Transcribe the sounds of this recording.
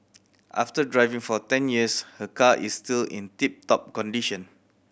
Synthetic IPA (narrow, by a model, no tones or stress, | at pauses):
ʔa̰ftədɹajvĩŋfɔtɛ̃njiəshəkaʔisːtilḭ̃ntip̚tɔp̚kɔ̃ndiʃə̃n